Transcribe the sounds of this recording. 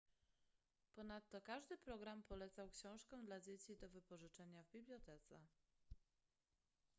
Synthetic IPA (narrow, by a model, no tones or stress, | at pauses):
pɔnat̪ːɔkaʐd̪ɘpɾɔɡɾampʰɔlɛt̪sawkɕɔ̃w̃ʂkɛ̃d̪lad͡ʑet͡ɕid̪ɔvɘpɔʐɘt͡ʂɛɲavbʲiblʲjɔt̪ɛt̪sɛ̰